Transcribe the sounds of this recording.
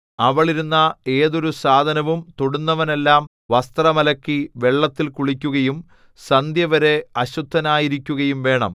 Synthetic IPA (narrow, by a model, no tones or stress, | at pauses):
ɐʋɐɭiɾunːɐe̞ːðo̞ɾusaːd̪ʱɐnɐʋumt̪oɽunːɐʋɐne̞lːaːm | ʋɐst̪rɐmɐlɐkːiʋe̞ɭːɐt̪ːilkuɭikʲːuɣɐjum | sɐnd̪ʱjɐʋɐɾe̞ɐɕut̪ʰːɐnaːjiɾikʲːuɣɐjumʋe̞ːɳɐ̰m